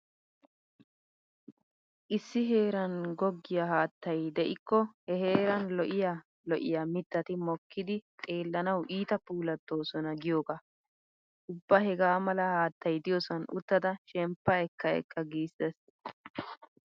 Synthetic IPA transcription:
ʔɪsːɪɦe̞ːɾɐnɡɔɡːɪjɐɦaːt̪ːɐjd̪ɛʔɪkːɔhɛɦe̞ːɾɐnlɔʔɪja | lɔʔɪjɐmɪt̪ːɐt̪ɪmɔkːɪd̪ɪt̪ʼe̞ːlːɐnɐwʔiːt̪ɐpuːlɐt̪ːo̞ːsɔnɐɡɪjoːɡa | ʔʊbːahɛɡaːmɐlɐhaːt̪ːɐjd̪ɪjɔsɔnʔʊ̰t̪ːɐd̪ɐʃɛmpːɐɛkːɐɛ̰kːɐɡiːsɛs

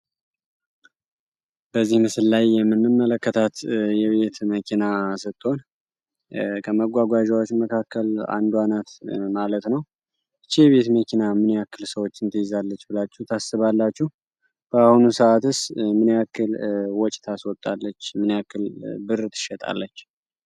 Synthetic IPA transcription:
b̥əzːihmɨsɨlːajːɛmːɨnːɨmːələkːət̪ʰat̪jɛβe̞t̪məkʰinasɨt̪ʼːo̞n | kʰəməɡʷaɡʷaʒawot͡ʃːməkʰakːəla̰nd̪wanat̪malət̪nəw | ɨt͡ʃːijɛβe̞t̪məkʰinamɨniakːɨlsəwo̞t͡ʃːɨnt̪ʰəjɪzalːət͡ʃːbɨlat͡ʃːɛht̪ʰasːɨβalːat͡ʃːuh | b̥əahunusəʔat̪ɨsmɨnjakːɨlwɔt͡ʃʼt̪ʰaswɔt̪ʼːalːət͡ʃːmɨnakːɨlbɨɾt̪ʰɨ̥ʃːɛt̪ʼa̰lːət͡ʃː

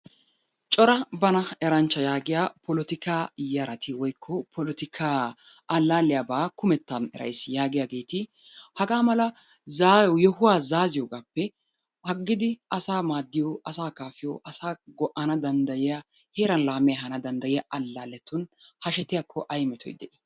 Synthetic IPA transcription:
t͡ʃʼɔɾɐbɐnɐɛɾɐnt͡ʃːɐjaːɡɪjaːpʰɔlɔt̪ɪkaːjɐɾɐt̪ɪwɔjkʰːɔpʰɔlɔt̪ɪkʰaː | ɐlːaːlɪjaːbaːkʊmɛt̪ːɐnɛ̰ɾʔɐ̰jsjaːɡɪjaːɡe̞ːt̪ɪ | hɐɡaːmɐlɐ | zaːjjɔhʊwaːzaːzɪjɔɡaːpːɛ | hɐɡːɪd̪ɪɐsaːmaːd̪ːɪjɔɐsaːkaːfɪjɔ̰ːʔɐsaːɡɔʔːɐnɐd̪ɐnd̪ɐjɪja | he̞ːɾɐnlaːmɛjɐɦɐnɐd̪ɐnd̪ɐjɪjaʔɐlːaːlɛt̪ːʊnhɐʃɛt̪ɪjakʰːɔʔɐjmɛt̪ʰɔ̰jd̪ɛʔɪ

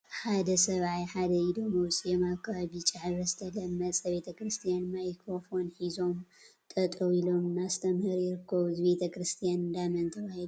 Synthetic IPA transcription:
ħad̪ɐsɐβajħad̪ɐid̪omowsʼijɛmakʰːaβaβit͡ʃʼaʕɾɐzɨt̪ʰɐd̪ɐmːɐt͡sʼɐβe̞t̪ʰɐkɾɨst̪ʰijanmajkʰɾo̞fo̞nħizo̞m | t̪ʼɐt̪ʼoilo̞mnast̪ʰɐmhɨɾjɪɾɨkʰːɐβuzɨbe̞t̪ʰɐkɾɨst̪ʰijand̪amɐnt̪ʰɐβahid̪u

